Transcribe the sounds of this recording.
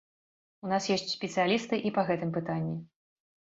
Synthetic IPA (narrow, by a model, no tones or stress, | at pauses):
unasjɛsʲt͡sʲsʲpʲɛt̪sɨjalʲist̪ɨʔipɐɣɛt̪ɨmpɨt̪anʲːi